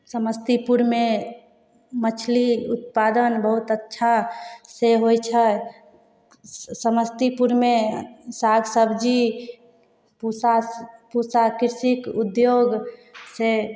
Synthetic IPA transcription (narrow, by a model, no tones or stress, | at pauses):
səməst̪ipuɾme | mət͡ʃʰliut̪pad̪ənbəɦut̪ətːʃʰaseɦojt͡ʃʰə | səməst̪ipuɾmesaɡsəbd͡ʒi | puapusakiɾsikud̪joɡse